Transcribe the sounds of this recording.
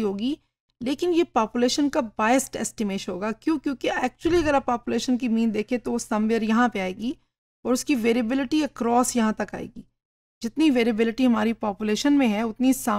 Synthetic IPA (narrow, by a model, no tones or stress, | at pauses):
ɦoːɡiː | leːkɪnjepaːpjʊleːʃənkabaːjəsʈɛ̰ːsʈɪmeːʃɦoːɡaːkjõːkjõːkeɛːk̚t͡ʃʊəliɐɡəɾaːpːaːpjʊleːʃənk̬imĩːnd̪eːkʰẽt̪oʋosɐmʋɪəɾjɐɦãpeaːeːɡi | ɔːɾʊskiʋeːɾɪbɪlɪʈiɛkɾɔːsjɐɦãt̪ɐka̰ːḛːɡiː | d͡ʒɪt̪niʋeːɾɪbɪlɪʈiɦɐmaːɾipaːpʊleːʃənmẽɦɛʊt̪nisaː